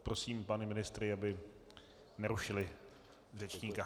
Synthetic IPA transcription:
pɾo̞siːmpanɛmɪnɪst̪ɾɪabɪ | nɛɾuʃɪlɪ | vr̝ɛt͡ʃɲiːka

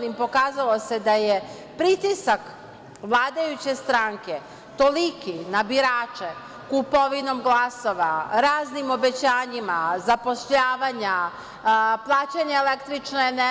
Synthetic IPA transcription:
limpo̞kaːzalˠo̞se̞d̪aje | pɾit̪isak | ʋlˠaːd̪ajut͡ɕe̞st̪ɾaŋke̞ | t̪o̞likinabiɾaːt͡ʃe | kupo̞ʋino̞mɡlˠaso̞ʋaɾaːznimo̞be̞t͡ɕaːɲimazapo̞ʃʎaːʋaɲa | plˠaːt͡ɕaɲaelekt̪ɾit͡ʃnone

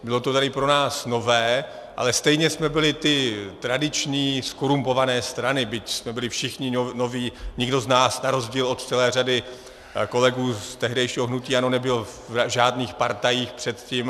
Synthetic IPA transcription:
bɪlo̞t̪ot̪ɛdɪpɾo̞naːsno̞vɛː | ʔa̰lɛst̪ɛjɲɛsmɛbɪlɪt̪ɪt̪ɾadɪt͡ʃɲiːskoɾumpo̞vanɛːst̪ɾanɪbɪcsmɛbɪlɪfʃɪxɲɪnoviːɲɪɡdo̞znaːsnaɾo̞zɟiːlo̞t̪t͡sɛlɛːr̝adɪ | ko̞lɛɡuːst̪ɛɦdɛjʃiːɦoɦnuciːano̞nɛbɪl | ʒaːdniːxpaɾt̪ajiːxpr̥ɛt̪ciːm

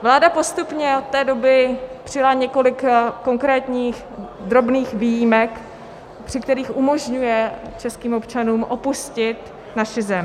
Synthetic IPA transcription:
vlaːdapo̞st̪upɲɛot̪̚t̪ɛːdo̞bɪpr̥ɪjalaɲɛko̞lɪkːo̞ŋkɾɛːt̪ɲiːx | d̪ɾo̞bniːxviːjimɛk | pr̝̥ɪkt̪ɛɾiːxʔumo̞ʒɲujɛt͡ʃɛskiːmo̞pt͡ʃanuːmʔo̞puscɪt̪ | naʃɪzɛm

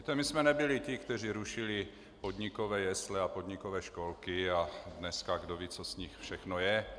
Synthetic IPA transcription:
it̪ɛmɪsmɛnɛbɪlɪcɪkt̪ɛr̝iɾuʃɪlɪ | pod̪ɲɪkovɛːjɛslɛapod̪ɲɪkovɛːʃko̞lkɪadnɛskaɡdoviːt͡sosɲɪxfʃɛxnojɛ

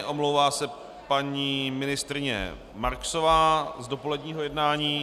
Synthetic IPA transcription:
ʔo̞mlowvaːsɛ | paɲiːmɪnɪst̪ɾɪɲɛ̰ | maɾksovaːzdo̞po̞lɛdɲiːɦo̞jɛdnaːɲiː

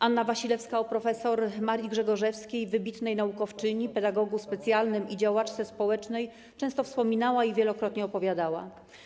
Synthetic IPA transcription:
ʔanːavaɕilɛfskaɔpɾɔfɛsɔɾmaɾʲjiɡʐɛɡɔʐɛfskʲejvɘbʲit̪nɛjnaukɔft͡ʂɘɲipɛd̪aɡɔɡuspɛt̪sʲjalnɘmid͡ʑawat͡ʂt̪sɛspɔwɛt͡ʂnɛj | t͡ʂɛ̃w̃st̪ɔfspɔmʲinawaivʲjɛlɔkɾɔt̪ɲɛɔpɔvʲjad̪awa̰

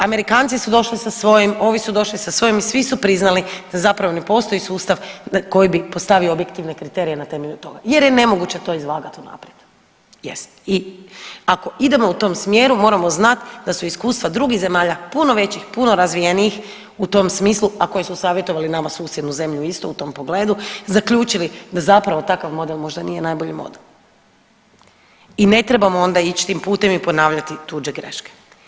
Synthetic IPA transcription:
ame̞ɾikaːnt̪sisud̪o̞ʃlisasʋo̞jimo̞ːʋisud̪o̞ʃlisasʋo̞jimisʋisupɾiznalid̪̥azapɾaʋo̞ne̞po̞st̪o̞isuːst̪aʋko̞jibipo̞st̪aʋioːbjekt̪iʋne̞kɾit̪e̞ɾijenat̪e̞meʎut̪o̞̰ɡaje̞ɾjene̞mo̞ɡut͡ɕe̞t̪o̞ːizlaːɡat̪una̰pɾed̪ | jḛst̪i | ako̞id̪e̞mo̞ut̪o̞ːmsmjeɾumo̞ːɾamo̞znat̪d̪asuiskuːst̪ʋad̪ɾuɡiɣze̞maːʎapuno̞ʋe̞t͡ɕixpuno̞ɾazʋijeniix | ut̪o̞msmiːslˠuako̞jesusaːʋjet̪o̞ʋalinamasuːsjed̪nuze̞mʎuist̪o̞ut̪o̞ːmpo̞ɡle̞ːd̪uzakʎuːt͡ʃilid̪azapɾaʋo̞t̪akaʋmo̞d̪elmo̞ʒd̪anije̞najboʎimo̞̰d̪elˠ | ine̞t̪ɾebamoo̞nd̪ait͡ɕt̪iːmpuːt̪e̞mipo̞naːʋʎat̪it̪ud͡ʒeɡɾḛʃke̥

